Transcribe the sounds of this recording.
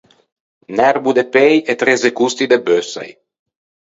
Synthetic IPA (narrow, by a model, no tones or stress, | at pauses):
nɛɾbud̪epejet̪ɾezekust̪id̪ebøsa̰j